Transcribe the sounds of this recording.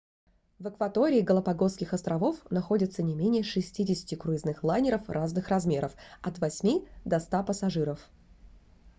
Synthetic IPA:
vɨkvɐt̪o̞ɾʲɪːɡəlˠəpɐɡo̞skʲɪxɐst̪ɾɐvo̞fnɐxo̞dʲɪt̪sənʲɪmʲenʲɪjəʂɨsʲtʲidʲɪsʲɪ̥tʲɪkɾʊɪznɨxlˠanʲɪɾəfraznɨxrɐzmʲeɾəfɐt̪vɐsʲmʲid̪ɐst̪apəsɐʐɨɾəf

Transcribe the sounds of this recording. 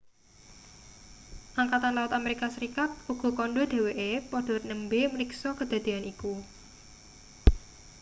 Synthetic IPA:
ʔaŋkat̪anlawʊt̪ameɾikasəɾikat̪̚uɡ̥ɔ̤kɔnɖɔd̪̥e̤weʔepɔɖ̥ɔ̤rnəmbeməɾiksɔkəd̪̥a̤d̪̥e̤aniku

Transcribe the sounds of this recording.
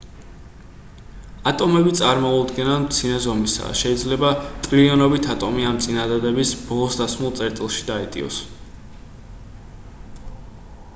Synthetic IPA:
at̪ʼɔmɛbit̪sʼaɾmɔud̪ɡɛnanmt̪sʰinazɔmisa̰ʃɛid̪zlɛbat̪ʼliɔnɔbit̪ʰat̪ʼɔmiamt̪sʼinad̪ad̪ɛbisbɔlˠɔsd̪asmulˠt̪sʼɛɾt̪ʼilˠʃi̥d̪aɛt̪ʼḭɔ̰s

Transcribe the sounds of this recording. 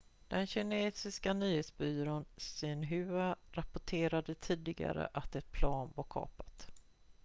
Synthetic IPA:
d̪̥ɛnɕɪneːsɪskanyːheːt̪sbyːɾoːnsɪnɦʉaɾapʊʈʰeːɾad̪ət̪ʰiːd̪ɪɡa̰ɾə̰ʔat̪ɛt̪̚pʰlɑːnvaɾkʰɑ̰ːpḁt̪

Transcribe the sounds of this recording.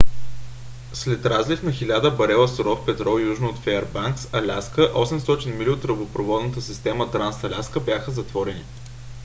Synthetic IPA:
slɛt̪ɾazlifnɐxilʲad̪əbɐɾɛlˠəsoɾɔfpɛt̪ɾɔjuʒnoot̪fɛɾbaŋksɐlʲaskəʔɔsɛmst̪ɔt͡ʃinmiɾʲiot̪ɾəbopɾovɔd̪nət̪əsist̪ɛmət̪ɾansɐlʲaskəbjaxəzɐt̪vɔɾɛnḭ

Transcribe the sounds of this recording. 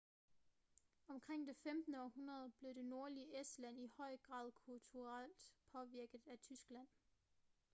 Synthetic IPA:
ɒ̽mkʰʁeŋ̰d̥e̝femd̥n̩əɒhunʁɐð̞ˠb̥le̝d̥e̝no̝ɐliəʔesd̥læn̰ihɒ̽ɪ̰ɡ̥ʁɑ̰̈ːð̞ˠkʰult͡sʰuʁal̰d̥pʰɒ̽ʋiɐɡ̥ð̩ˠæt͡sʰysɡ̥læn̰

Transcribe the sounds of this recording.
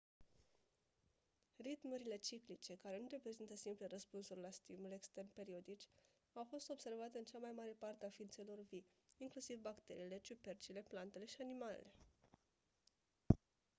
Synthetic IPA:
rit̪muɾile̞t͡ʃiklit͡ʃe̞kaɾe̞nure̞pɾe̞zint̪əsimplerəspunsurʲlast̪imule̞kst̪e̞rnpe̞ɾio̞d̪it͡ʃʲ | awfo̞st̪o̞bse̞rvat̪e̞ɨnt͡ʃamajmaɾe̞part̪eafint̪se̞lo̞rvi | iŋklusivbakt̪e̞ɾiːle̞t͡ʃupe̞rt͡ʃile̞plant̪e̞le̞ʃianimalḛle̞

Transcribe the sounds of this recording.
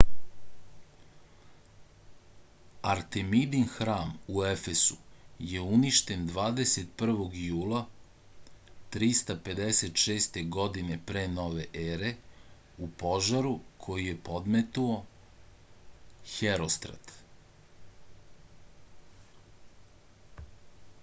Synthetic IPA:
aɾt̪emid̪inxɾaːmuefesuje̞uniʃt̪e̞nd̪ʋaːd̪e̞set̪̚pr̩ʋo̞ɡjuːla | t̪ɾist̪ape̞d̪eset̪ʃe̞ːst̪e̞ɡo̞d̪ine̞pɾeːno̞ːʋeʔeːɾe̞ | upo̞ʒaɾukʰo̞jije̞po̞d̪met̪uo̞ | xeɾost̪ɾa̰t̪

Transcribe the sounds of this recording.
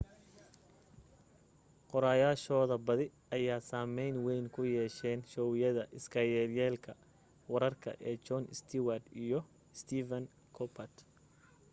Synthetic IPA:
qɔɾaːjaːʃɔːðɐbɐðɪ | ɐjaːsaːmɛjnwɛjnkʰʊjɛːʃɛːnʃɔːwɪjɐðɐʔɪskʰɐjɛːljɛːlkʰɐ | wɐɾɐrkʰɐ̰ʔɛːt͡ʃɔnɪst̪ʰiwɐrd̪ijɞ | st̪ʰiːvɐn | kʰɔpʰɐt̪

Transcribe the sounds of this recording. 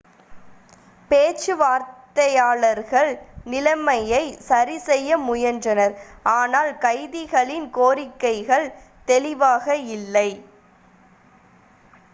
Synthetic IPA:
peːt͡ʃːɯʋaːɾtt̪ɐjaːɭɐɾɣɐɭnɪlɐmɐjɐɪsɐɾisɛjːɐmʊjɐndrɐnɐɾaːnaːlkɐɪðɪɣɐɭɪnkoːɾɪkːɐɪɣɐɭ | t̪ɛlɪʋaːɣɐɪlːɐɪ

